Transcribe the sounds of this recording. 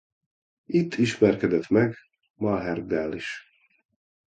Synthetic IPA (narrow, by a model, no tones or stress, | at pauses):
it̪ʰːiʃmɛrkɛd̪ɛt̪mɛɡ | mɒɦɛrd̪ɛlːiʃ